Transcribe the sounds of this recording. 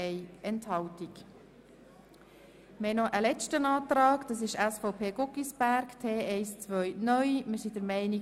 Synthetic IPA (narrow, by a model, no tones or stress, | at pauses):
ɛɪɛnthɑltik | mhɛnɔʔəlɛt͡ʃtənɑːt̪ɾɑːkd̥̪ɑs̬ɪʃæsfoʊpʰeːɡɔkisb̥æɾktʰeːʔɛɪst͡sʋœʏnœʏmɪɾsid̥əɾmɛɪni